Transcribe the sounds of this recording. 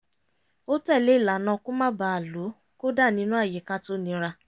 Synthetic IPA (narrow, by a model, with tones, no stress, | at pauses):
o˦tɛ˦˨le˦i˦˨la˨˦nã˧kũ˦mã˦ba˨˧a˨lu˨˦ | ko˦da˦˨nĩ˦nũ˦a˦˨je˨˦ka˦to˦nĩ˧˦ɾa˧